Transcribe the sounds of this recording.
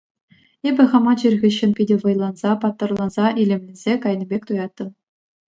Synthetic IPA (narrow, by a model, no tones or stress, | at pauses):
ebʲɘ̆χɑmɑt͡ɕirʲɣʲiɕːɘ̆npʲidʲɘ̆ʋɤ̆jlˠɑnz̥ɑpɑt̪ːɤ̆rlˠɑnzɑʔilʲĕmʲlʲĕnʲz̥ʲekɑjnʲĭbʲekʲt̪ujɑt̪ːɤ̆m